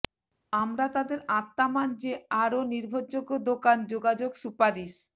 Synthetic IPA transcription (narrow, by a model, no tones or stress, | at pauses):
amɾat̪ad̪eɾat̪ːamand͡ʑeaɾoniɾbʱod͡ʑoɡːod̪okand͡ʑoɡad͡ʑoɡsupaɾis